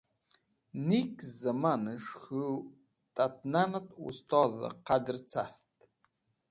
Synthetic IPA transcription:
nikʰʼzamanɨʂxɨ | t̪ʼat̪̚ʰʼnanat̪ʼṵst̪ʰʼɔða̰qʰad̪ɨrt͡sʰartʼ

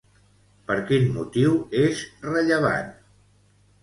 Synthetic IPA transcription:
pəɾkinmut̪iwezrəʎəβ̞a̰n

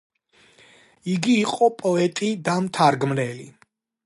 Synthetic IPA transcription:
iɡiːqʼɔpʼɔɛt̪ʼid̪amt̪ʰaɾɡmɾɛli

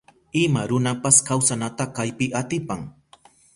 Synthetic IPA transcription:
ɪmaɾʊnapaskawsanat̪akajpɪʔat̪ɪpaŋ

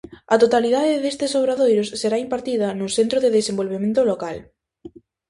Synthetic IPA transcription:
ɐt̪ot̪aliðaðeðest̪esoβɾaðojɾʊsːeɾaimpaɾt̪iðɐnʊsent̪ɾoðeðesembolβ̞emẽnt̪ʊlokal

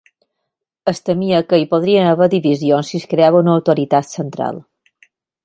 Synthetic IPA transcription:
əst̪əmiəkəipoðɾiənəβəd̪iβizionsːiskɾeaβəunəːwt̪oɾit̪at̪sənt̪ɾa̰lˠ

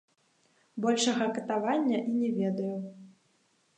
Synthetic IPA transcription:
bɔlʲʂɐɣɐkɐt̪avanʲːɐʔinʲɛvʲɛd̪ɐju

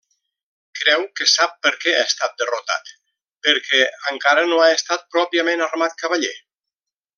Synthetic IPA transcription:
kɾɛwkesap̚pəɾkɛa̰est̪at̪̚d̪ərot̪a̰t̪ | pəɾkʰɛəŋkaɾənoaest̪at̪̚pɾɔpiamenarmat̪̚kaβaʎe

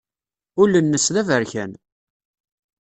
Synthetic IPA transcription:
ʊlənːəsðævəɾçæn

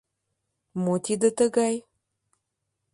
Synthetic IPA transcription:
mot̪id̪ət̪əɡaj

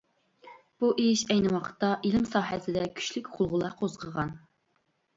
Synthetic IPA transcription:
b̥uʔeʃɛjnɪwɑqʰə̥t̪ːɑʔilɪmsɑːɦɛsɪd̪ɛkʲʰy̥ʃlɪkʲχʰʊlˠʁʊlˠɑqʰozʁəʁɑn

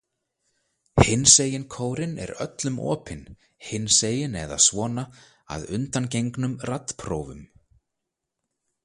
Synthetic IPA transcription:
hɪnːseːjɪnkʰoːwɾɪnɛ̰ɾœ̰t̪lʏmʔɔ̰ːpʰɪn | hɪnːseːjɪnɛða̰ðsvɔːna | a̰ðʏnt̪ancejŋknʏmrat̪ːpʰɾoːwvʏm

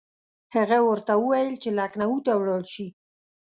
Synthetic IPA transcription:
haɣawəɾt̪awəwajəlt͡ʃelaknawut̪awɽɑlʃi

